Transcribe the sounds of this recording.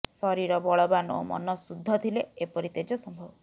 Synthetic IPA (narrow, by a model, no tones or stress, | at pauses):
sɔɾiɾɔbɔɭɔbano̰mɔ̰nɔsud̪ʱːɔt̪ʰileepɔɾit̪ed͡ʒɔsɔmbʱɔbɔ